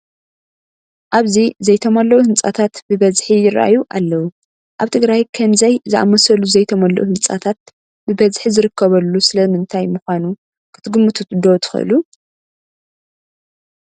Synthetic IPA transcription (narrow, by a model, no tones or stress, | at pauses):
ʔaβzizɐjt̪ʰomɐlːɐwuhɨnt͡sʼat̪ʰat̪bɨβɐzħijɪɾʔa̰juʔalːɐwu | ʔaβt̪ʰɨɡɾajkʰɐmzɐjzɨʔa̰mɐsɐluzɐjt̪ʰɐmɐlːɐ̰ʔuhɨnt͡sʼa̰t̪ʰat̪̚ | bɨbɐzħizɨɾɨkʰːɐβɐlːusɨlɐmɨnt̪ʰajmɨxʷanu | kʰɨ̥t̪ʰɨɡɨmːut̪ʰɨt̪ɨd̪ot̪ʰɨ̥xɨ̰ʔɨ̰lu